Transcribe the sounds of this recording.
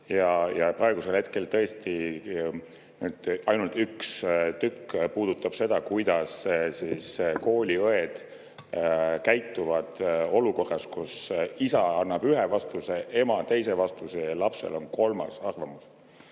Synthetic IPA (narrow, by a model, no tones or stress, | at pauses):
jɑjɑprɑe̞ɡ̥uselhe̞t̪̚ke̞lt̪ɤ̞est̪i | nyːd̪̥ɑjnult̪ykst̪ykːpuːd̪̥ut̪ːˑɑb̥se̞d̪̥ɑkujd̪̥ɑssiːsko̞ːlʲiɤe̞d̪̥ | kæjt̪ːˑuvɑd̪̥o̞luko̞rːɑskusisɑɑnːɑb̥yɦevɑst̪use̞ʔe̞mɑt̪e̞jse̞vɑst̪useɑlɑpse̞̰lʔo̞nko̞lmɑ̰sɑrvɑmus